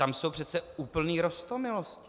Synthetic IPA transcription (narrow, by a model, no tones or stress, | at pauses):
t̪amsowpr̝̥ɛt̪t͡sɛuːpl̩niːɾost̪omɪloscɪ